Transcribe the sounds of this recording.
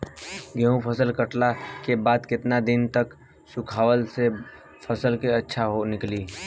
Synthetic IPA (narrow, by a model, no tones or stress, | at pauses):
ɡɛɦũpʰəsəlkəʈlakebaːd̪kɪt̪nad̪ɪnt̪ɐk | sʊkʰaːwəlse | pʰɐsəlkeɐtːʃʰaɦonɪkliː